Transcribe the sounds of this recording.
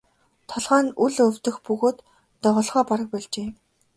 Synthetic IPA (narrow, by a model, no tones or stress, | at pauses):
t̪ʰɔɮʁaːnuɮɵwt̪ɵ̆xpɵɣoːt̪ː | ɔʁɞ̆ɮʁɔːpaɾə̆k̚pɔɮt͡ɕeː